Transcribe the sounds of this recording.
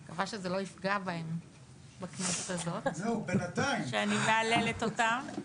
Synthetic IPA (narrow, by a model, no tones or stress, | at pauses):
kavaʃezelo̞ifɡabaem | bakneset̪azo̞t̪zeubenat̪aimʃeanimeale̞let̪o̞tam